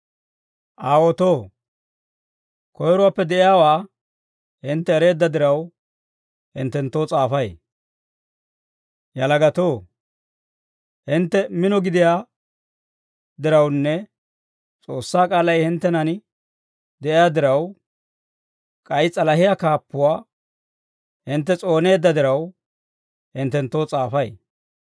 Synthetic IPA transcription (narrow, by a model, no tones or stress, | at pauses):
ʔaːwɔt̪oː | kʰɔjɾʊwaːpːɛd̪ɛʔɪjaːwaː | hɪnt̪ːɛːɾe̞ːd̪ːɐd̪ɪɾɐw | hɪ̰nt̪ːɛnt̪ːoːt͡sʼaːfɐj | jɐlɐɡɐt̪oː | hɪnt̪ːɛmɪnɔɡɪd̪ɪjaː | d̪ɪɾɐwnːɛ | t͡sʼoːsːaːkʼaːlɐjhɪnt̪ːɛnɐn | d̪ɛʔɪjaːd̪ɪɾɐw | kʼɐjt͡sʼɐlɐhɪjakaːpːʊwaː | hɪnt̪ːɛt͡sʼo̞ːne̞ːd̪ːɐd̪ɪɾɐw | hɪnt̪ːɛnt̪ːo̞ːt͡sʼaːfɐj